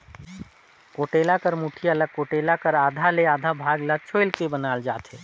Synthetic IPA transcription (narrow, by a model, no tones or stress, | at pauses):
koʈelakəɾmuʈʰijaləɡ̚kːoʈelakəɾaːd̪ʱaleaːd̪ʱabʱaɡlat͡ʃʰoɪlkebənald͡ʒaːt̪ʰɦɛ